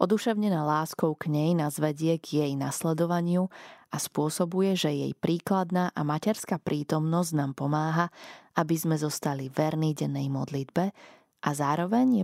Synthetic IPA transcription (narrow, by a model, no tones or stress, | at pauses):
ʔɔd̪uʃɛʊɲɛnaːlaːskɔʊkɲɛjnazʋɛɟɪɛɡjɛjna̰slɛd̪ɔʋaɲɪuaspʊɔsɔbujɛʒɛjɛ̰jpɾiːklad̪naːʔamacɛɾskapɾʔiːt̪ɔmnɔznaːmpɔmaːɦaʔabizmɛzɔst̪aliʋɛɾniɟɛnːɛjmɔ̰d̪lid̪bɛ | ʔazaːɾɔʋɛɲjɛ